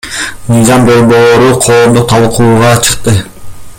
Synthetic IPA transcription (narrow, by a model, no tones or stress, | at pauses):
mɯjzɑmd̪o̞ɾbolˠo̞ɾuqʰo̞ːmd̪ut̪ʰɑlˠqʰuːʁɑt͡ʃʰɯ̥qt̪ɯ